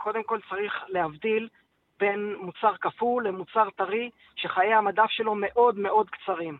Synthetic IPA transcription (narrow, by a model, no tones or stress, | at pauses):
kʰo̞d̪e̞mko̞lt͡saʁiχle̞havd̪il | be̞nmut͡saʁkafulːemut͡saʁt̪aʁi | ʃe̞χajehamadafʃe̞lo̞me̞ʔo̞d̪me̞ʔo̞d̪kt͡saʁim